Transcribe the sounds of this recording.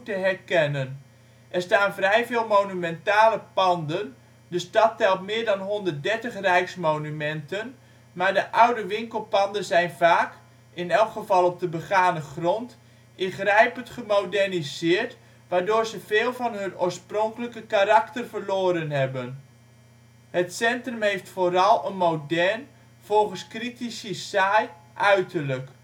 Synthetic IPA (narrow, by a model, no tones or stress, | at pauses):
təɦɛrkɛnən | ʔɛrstaːnvrɛjveːlˠmownymɛntaːləpɑndən | dəstɑtːɛlˠtmɪːɹdɑnɦɔndərt̚dɛɹtəχrɛjksmownymɛntən | maːɹdəʔawdəʋɪŋkəlˠpɑndənzɛjnvaːk | ɪnɛlˠkχəvɑlˠɔb̚dəbəχaːnəχrɔnt | ɪnχrɛjpəntχəmowdɛrnizɪːɹt | ʋaːɹdoːɹzəveːlˠvɑnɦøno̰ːɹsprɔŋkələkəkaɾaktərfəɹloːɾənɦɛbən | hətsɛntrəmɦejftfoːɾɑlˠənmowdɛrn | v̥ɔlˠχənskritisisaj | ʔœɥtʰərlək